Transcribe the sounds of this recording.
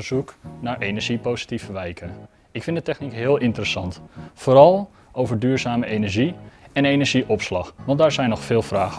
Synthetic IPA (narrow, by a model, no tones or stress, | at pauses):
ɹz̥uknaːɹʔenəɹʒipowzi̥tifəʋɛjkʰə | ɪkfɪndətɛxnikɦɪːlˠɪntərəsɑntfoːɾɑlˠ | ʔowvəɹdyːɹzaːməʔejnɛɹʒiɛnejnəɹʒiʔɔpslɑxʋɑntdaːɹzɛjnɔχfɪːlˠfraːχə